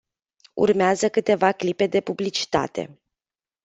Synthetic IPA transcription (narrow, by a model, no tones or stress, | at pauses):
ṵrmeazəkɨt̪e̞vaklipe̞d̪e̞publit͡ʃi̥t̪a̰t̪e̞̰